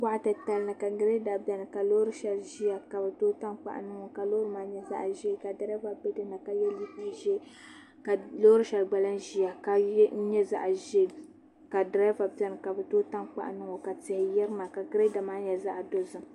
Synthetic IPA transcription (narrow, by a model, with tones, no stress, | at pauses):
ba˦ʔtɨ˨ta˨lnɨ˨ka˨ɡɨ˦ɾe˦da˨bɛ˨nɨ˨ka˨lo˦ɾɨ˦ʃɛ˨lʒi˦a˨ka˨bɨ˨toː˦ta˦nk͡pa̰˨ʔnɨ˦ŋo˨ka˨lo˦ɾɨ˦maː˦ɲɛ˦za̰˦ʔʒe˦˨ka˨da˨ɾa˦va˨bɛ˦dɨ˦na˨ka˨jɛ˦li˦pa˦ʒɛ˦ | ka˨lo˦ɾɨ˦ʃɛ˨lɡ͡ba˨la˦nʒi˦a˨ka˨˦n̩˦ɲɛ˦za̰˦ʔʒe˦˨ | ka˨dɾɛ˦va˨pɛ˨nɨ˨ka˨bɨ˨toː˦ta˦nk͡pa̰˦ʔnɨ˦ŋo˨ka˨tɪ˨hɪ˨jɛ˦ɾɨ˦ma˨ka˨ɡɨ˨˦e˦da˨maː˦ɲɛ˨za˦ʔdo˨zɨ˨